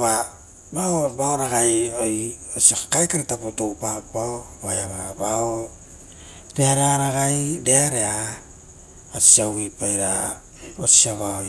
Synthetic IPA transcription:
βa | baobaoɾaɡajoj | osiakakajkaɾitapotopapaobajaβabao | ɾeaɾeaɾaɣajdeaɾea | osiawipajɾa̰ | osiaβaoj

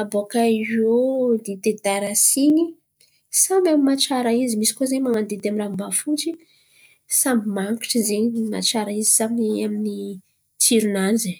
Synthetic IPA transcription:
abokaizod̪it̪ed̪aɾasini | samamimat͡ʃaɾaizimisi̥kozeɲmaŋand̪ed̪eamirambafunt͡ʃi | sambimaŋki̥ʈ͡ʂizenima̰t͡ʃaɾaizi̥samiiamini | t͡siɾunand͡ʒi

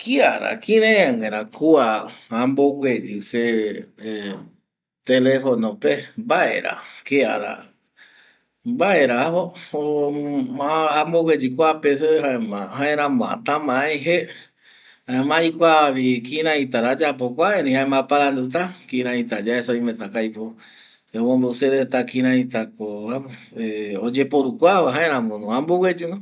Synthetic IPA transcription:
kiaɾa̰kĩɾẽaŋẽɾ̃ãkʰuaambokʷed͡ʒɨse | t̪elefonõpebaʔḛɾa̰kea̰ɾa̰ | baeɾahoo | ambokʷwed͡ʒikʷapes̬eɦaemãɦãẽɾãmõa̰t̪ãmãẽɦe | haemãjkʷaβikĩɾãĩt̪aɾad͡ʒap̬okʷaeɾĩhãẽmãpaɾand̪ut̪̬akĩɾãĩt̪ad͡ʒaesaoĩmẽt̪akajpo | omõmbeuseɾet̪akĩɾãĩt̪akoao | eod͡ʒepoɾukʷaβaɦãeɾãmõnũambowed͡ʒuno

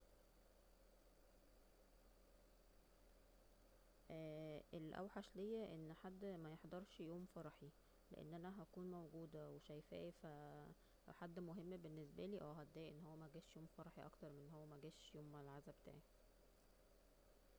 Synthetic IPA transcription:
ʔæːʔelʔæ̰wħaʃlejːæʔenːħad̪ːmæjeħd̪ɑɾˤʃjoːmfɑɾˤħi | lḛʔḛnːʔænæɦækuːnmæwɡuːd̪æweʃæjfæ̰ːʔifæ | ħad̪ːmoɦemːbenːesbæliːʔæwɦæd̪ːæːʔenːhowːæmæɡæːʃjoːmfɑɾˤɑħiʔɑ̰kt̪ɑɾˤmenːhowːæmæɡæːʃjoːmːælʕazæbet̪a̰ːʕi

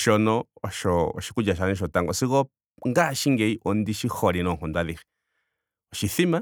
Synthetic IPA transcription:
ʃonõoʃoo̰ʃi̥kud͡ʒaʃ̬anĩʃot̪aŋɡosiɣo | ŋɡaʃiŋɡeiʔond̪iʃihoɾinõɦõnd̪aði | oʃiθimã

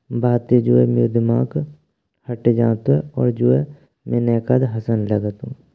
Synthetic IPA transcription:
baːt̪ed͡ʒoemed̪ɪmaːk | hɐʈed͡ʒaːt̪oɛɔ̰ːɾd͡ʒoe | mɛ̃nɛːkad̪ɦɐsənləɡət̪ṵ̃ː

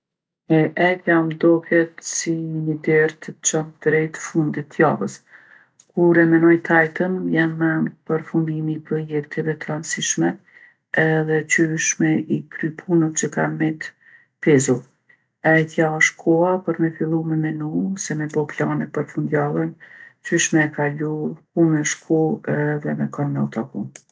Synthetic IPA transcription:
ɛʔɛjt̪jamd̪ɔkɛt̪siɲəd̪ɛɾt̪ət͡ʃɔnt̪d̪ɾɛjt̪fund̪it̪ːjavəs | kuɾɛmɛnɔjt̪ʰajt̪ənjanːɛnpəɾfund̪imipɾɔjɛk̚t̪ɛvɛt̪əɾansiʃmɛ | ɛðɛt͡ʃyʃmɛʔikɾypʰunət̪t͡ʃəkanmɛt̪ | pɛzu | ɛjt̪jaʃkʰɔapəɾmɛfilˠumɛmɛnusɛmɛbɔplanɛpəɾfund̪jalˠɛnt͡ʃyʃmɛːkalukumɛʃkʰuɛðɛmɛkɔnmɛut̪akun

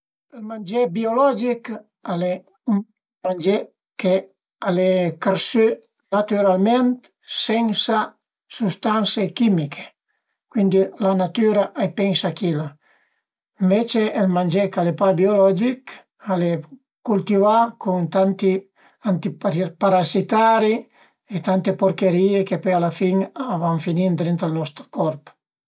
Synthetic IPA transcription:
elmand͡ʒebiolɔd͡ʒik | ale | u | mand͡ʒe | ke | alekaɾsø | nat̪yɾalment̪ | seŋsa | sust̪ansekimikʰe̥ | kwind̪ilanat̪yɾaʔajpeŋsakila | iɱvet͡ʃeɛlmand͡ʒɛkalepabiolɔd͡ʒik | ale | kult̪ivakuŋt̪ant̪i | ant̪ipaɾazit̪aɾi | et̪ant̪epoɾkeɾiːekepɔjalafiŋavaɱfinind̪ɾint̪alnɔst̪ɾkɔɾp

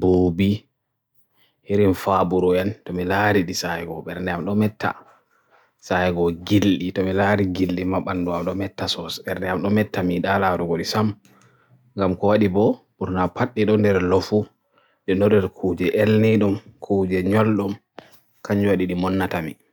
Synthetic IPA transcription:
boːbi | hiɾinfabuɾɔjɛntɔmilaɾiɗisajɡɔ̰ɓɛɾnɛamɗɔmɛtːa̰ | sajɡɔɡilɗitɔmilaɾiɡilɗimaɓanduamɗɔmɛtːasɔsbɛɾdɛamɗɔmɛtːamiɗalaɾuɡoɗisam | ŋɡamkɔwaɗibɔ | buɾnapʰaɗːiɗɔndɛɾlɔfu | ɗɛnɔɾɛɾkʰud͡ʒɛʔelniɗumkʰud͡ʒɛɲɔlɗɔm | kʰaɲd͡ʒuwaɗiɗimɔnːatamḭ

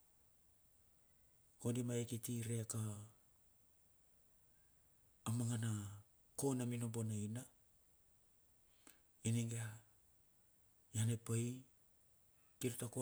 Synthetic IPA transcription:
kondimaekitiɾeaka | maŋana | ko̞namino̞mbo̞naina | iniŋɡea | janepaj | kiɾutako

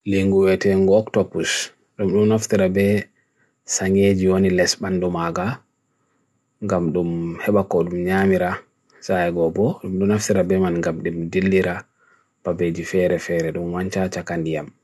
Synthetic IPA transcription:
liŋɡuwɛtɛŋɡɔɔktɔbus | ɗumɗumnaftiɾabɛ | saŋɡed͡ʒiwonilɛsbandumaɡa | ŋɡamɗumhɛɓakɔɗumɲamiɾa | sajɛɡɔbɔɗumɗunaftiɾabɛmanŋɡamɗumdilːiɾa | b̥abed͡ʒifɛɾɛfɛɾɛɗumwaɲt͡ʃat͡ʃakandijam

